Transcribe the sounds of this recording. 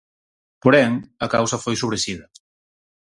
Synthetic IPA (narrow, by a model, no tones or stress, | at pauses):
poɾɛŋɐkawsɐfojsoβ̞ɾeʃiðɐ